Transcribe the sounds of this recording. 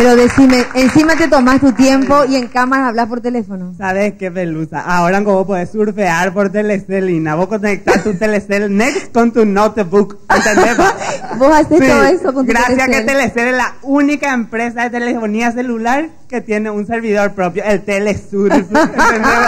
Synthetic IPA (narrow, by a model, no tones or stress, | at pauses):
peɾoðesimeːnsimat̪e̞t̪̬o̞mast̪ut̪je̞mpo̞ieŋkamaɾaːβlaspo̞ɾt̪elefonosaβeskepelusa̰ʔao̞ɾaŋkoβopo̞ðessuɾfeaɾpo̞ɾt̪̬eleselinaβoskonek̚t̪aɾt̪ut̪eleselneksko̞nt̪unot̪βuk | ent̪end̪ebosasesst̪oðoesokonɡ̪ɾasjakeeleseleslaunikaempɾe̞saðet̪elefonias̬e̞lulaɾke̞t̪je̞ne̞unse̞ɾβiðo̞ɾpɾo̞pjo̞elt̪elesuɾeend̪e